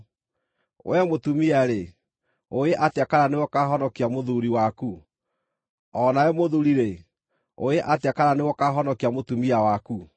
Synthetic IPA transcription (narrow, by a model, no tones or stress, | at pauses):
wɛmotumiaɾe | oeʔateakaɾanewɔkaɦɔnɔkiamoðuɾiwaku | ɔnaɛmoðuɾiɾe | oeʔatkaɾanewɔkaɦɔnɔkiamotumiawaku